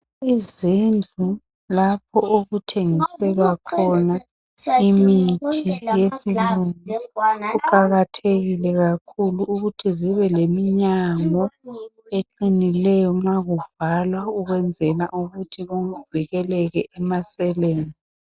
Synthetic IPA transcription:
izind͡ɮʱu | lapʰɔoɣutʰeŋisɛβakʰɔna | imitʰijesilunuɣuǃaɣatʰeɣilɛɣakʰuluʔːɣutʰiziβɛlemiɲamɔ | eǃinilɛjɔŋaɣuvalwauɣwɛnd͡zʱɛna̰ʔuɣutʰioŋuviɣɛlɛɣɛʔɛmasɛleːnd͡zʱi

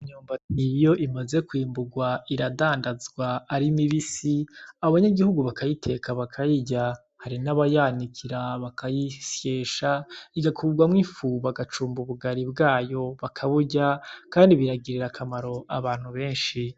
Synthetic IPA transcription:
iɲuːmbanijo̞ʔimaze̞kwiːmbuɡwaiɾadaːndazɡwaːɾimiβisiaoβaɲaɡihuɡuβakʰajitʰe̞kʰaβakʰajiɟa | haɾinaβajanikʰiɾaβakajisjeːʃaiɡakʰuːɡwamŋifuβaɡat͡ʃuːmbuβuɡaɾibɡaːjo̞βakʰaβuɟakaːndiβiɾaɡiɾiɾakʰamaɾo̞ʔaβaːn̥huβe̞ːnʃi

